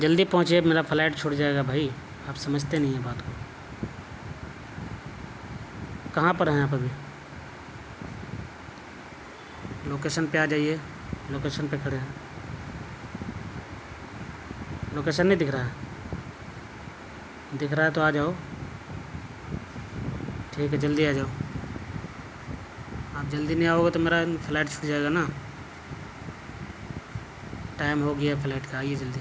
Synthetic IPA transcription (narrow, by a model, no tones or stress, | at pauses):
d͡ʒəld̪ipɔɦʊ̃t͡ʃemeːɾapʰlaːɪʈt͡ʃʰoːɽd͡ʒaːeɡabʱaːi | aːpsɐməd͡ʒʱt̪enɐɦĩɦɛ̃baːt̪ko | kɐɦãpəɾɦɛ̃aːpbʱi | loːkeːʃənpead͡ʒaːie | loːkeːʃənpekʰəɽeɛ̃ | loːkeːsənːə̃d̪ɪkʰɾaːɦe | d̪ɪkʰɾaːet̪oaːd͡ʒaːo | ʈʰiːkɛd͡ʒəld̪iaːd͡ʒaːoː | aːp̚d͡ʒɐld̪inĩaːoːɡet̪omeːɾapʰlaːɪʈt͡ʃʰʊ̥ʈʰd͡ʒaːeɡanaː | ʈaːɪmɦoːɡəjapʰlaːʈkeaːiɦed͡ʒəld̪i